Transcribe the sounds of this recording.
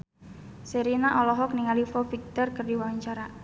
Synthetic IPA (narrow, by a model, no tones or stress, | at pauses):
seɾinaʔɔlɔɦɔk̚niŋalifɔfik̚t̪ɔrkərdiwaɲt͡ʃaɾa